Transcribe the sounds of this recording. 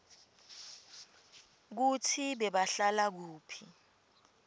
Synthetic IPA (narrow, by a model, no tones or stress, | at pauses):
k̬utʰiɓɛɓaɬalak̬uːpʰi